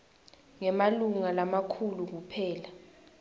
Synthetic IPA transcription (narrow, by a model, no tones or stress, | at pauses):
ŋɛmaluŋalamakʰuluk̬upʰɛːla